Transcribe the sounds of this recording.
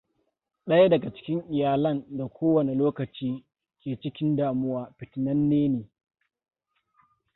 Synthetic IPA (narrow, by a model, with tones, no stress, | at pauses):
ɗɐ˦ja˦dɐ˨ɡa˨t͡ʃɪ̥˦kʲɪ˦ŋʔɪ˨jaː˨lɐ˦nda˨kʷʰoː˦wɐ˨ne˨loː˦kɐ˨t͡ʃiː˦ | kʲeː˨t͡ʃɪ˦kʲɪ˦ndaː˨mʊ˦waː˦ɸɪ˨tɪ˨nɐ˦nːeː˦neː˨